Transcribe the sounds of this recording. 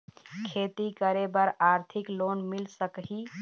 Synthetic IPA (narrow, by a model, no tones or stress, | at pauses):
kʰet̪ikəɾebəɾaɾt̪ʰiklonmilsəkɦi